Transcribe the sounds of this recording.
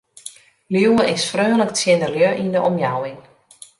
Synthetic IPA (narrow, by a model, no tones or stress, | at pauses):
liwəʔɪsfrøːlək̚tjɪndəljøʔindəʔɔmjawɪŋ